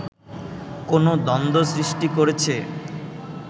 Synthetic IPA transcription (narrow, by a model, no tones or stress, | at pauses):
konod̪ɔnd̪osɾiʃʈikoɾet͡ɕʰe